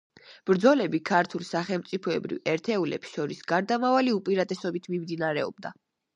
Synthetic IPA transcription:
b̥ɾd̪zɔlɛbikʰaɾt̪ʰulˠsaχɛlˠmt̪sʼipʰɔɛbɾḭvɛɾt̪ʰɛulɛ̰psʃɔɾisɡ̥aɾd̪amavaliupʼiɾat̪ʼɛsɔbit̪ʰmimd̪inaɾɛɔ̰b̚d̪a̰

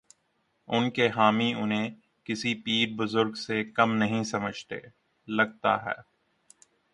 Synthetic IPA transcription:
ʊnkeɦaːmiʊnɦẽ | kɪsipiːɾbʊzʊɾɡsekɐmnɐɦĩsɐməd͡ʒʱt̪ḛː | lɐɡ̚t̪a̰ɦɛ̰ː

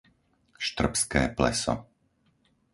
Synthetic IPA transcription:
ʃt̪r̩pskɛ̰ːplɛ̰sɔ̰

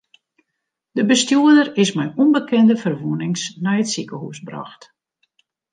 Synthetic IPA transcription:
d̥əbəstjuədərɪsmɛjunbəkʰɛndəfərʋuənɪŋsnɛjətsikəhṵsbra̰xt

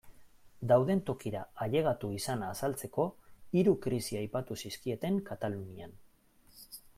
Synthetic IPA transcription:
d̪awðe̞nt̪o̞kiɾaaʎe̞ɣ̞at̪uisanaːsalt͡se̞ko̞iɾukɾisiajpat̪usiskie̞t̪e̞ŋkat̪alunian

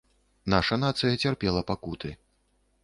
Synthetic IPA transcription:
naʂɐn̪at̪sɨjɐt͡sʲarpʲɛlˠɐpakut̪ɨ

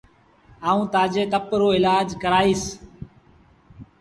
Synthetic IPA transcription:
aːũːt̪aːd͡ʒeːk̪əpɾoːɪlaːd͡ʒkəɾaːiːs

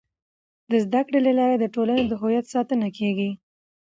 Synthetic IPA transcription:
d̪əzd̪akɽelalɑɾed̪əʈolanod̪əɦojat̪sɑt̪ənakʰeɡi

